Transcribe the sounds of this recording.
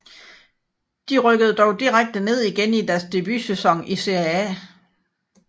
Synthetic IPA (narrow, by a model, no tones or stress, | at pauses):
d̥iʁœɡ̥əð̞̩ˠd̥ɒʊd̥iʁaɡ̥̚d̥əne̝ð̞̰ˠiɡ̥enid̥æɐsd̥e̝b̥ysesɒ̽ŋ̰ise̝ææ̰